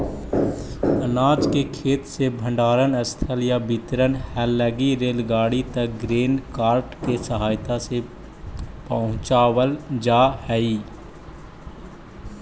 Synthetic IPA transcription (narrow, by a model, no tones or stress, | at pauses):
ənaːd͡ʒkekʰeːt̪sebʱə̃ɳɖaːɾənəst̪ʰəljabɪt̪ɾənhɛːlːəɡiɾeːlɡaːɽit̪ək̚ɡɾeːnkaːɾʈkesəɦaːjt̪ase | pəɦʊ̃t͡ʃaːwəld͡ʒaːhɛiː